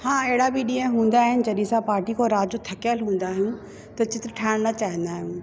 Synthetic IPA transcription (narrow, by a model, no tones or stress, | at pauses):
hãːeɦɪɽabɪɗĩːɦə̃ɦũːnd̪aːɦɪnɪ̆d͡ʑɐɗĩsãpaːɾʈikʰoɾaːd͡ʑd͡ʑot̪ʰɐkjəlɦũːn̆d̪aːɦijũ | t̪ɐt͡ɕɪt̪ɾʈʰaːɪɽ̃nɐt͡ɕaːɦɪ̃nd̪aːɦijũː